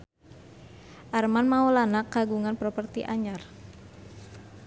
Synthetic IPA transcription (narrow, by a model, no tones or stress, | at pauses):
ʔarmanmaulanakːaɡuŋanpɾɔpərt̪iʔaɲar